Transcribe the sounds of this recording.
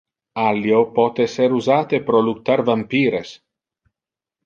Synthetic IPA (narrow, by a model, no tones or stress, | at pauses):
aljopɔt̪ɛseɾuzaːt̪epɾoluk̚t̪ːaɾvampiːɾes